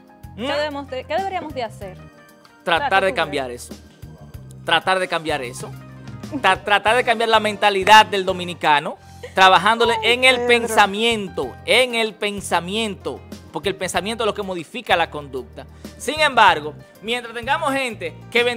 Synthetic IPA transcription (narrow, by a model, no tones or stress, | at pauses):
ðeβemosekeðeβeɾiamozðeaseɾ | t̪ɾat̪aɾðekambjaɾeso̥ | t̪ɾat̪aɾðe̞kambjaɾeso̞ | at̪ɾat̪aɾðekambjaɾlamẽnt̪aliðad̪̚d̪e̞ld̪o̞mĩnikano̞ | t̪ɾaβaɦand̪o̞leʔeŋelpe̞ŋsamjẽ̞nt̪o̞eŋe̞lpe̞ŋsamjẽ̞nt̪o̞̰poɾkelpe̞nsamijent̪olokemo̞ðifikalako̞nd̪uk̚t̪a | siŋẽ̞mbaɾɣo̞ | mjent̪ɾast̪e̞ŋɡamoshent̪ekeβe